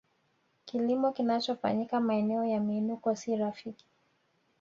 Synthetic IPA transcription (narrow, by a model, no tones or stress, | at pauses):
kilimɔkinat͡ʃɔfa̰ɲikamaɛnɛɔjamiːnukɔsiɾafiki̥